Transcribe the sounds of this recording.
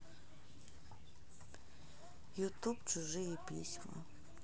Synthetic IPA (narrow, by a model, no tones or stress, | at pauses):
jut̪upt͡ʃʊʒɪjɛpʲḭsʲmɐ̰